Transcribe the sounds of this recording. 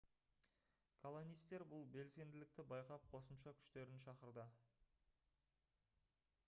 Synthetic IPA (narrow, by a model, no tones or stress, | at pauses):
kʰolˠo̞nijst̪e̞ɾbʊlˠbe̞lse̞nd̪ɪlɪkt̪ɪbɑjqɑp̚qʰo̞səmʃɑkʲʰʏ̥ʃt̪e̞ɾɪnʃɑqəɾd̪ə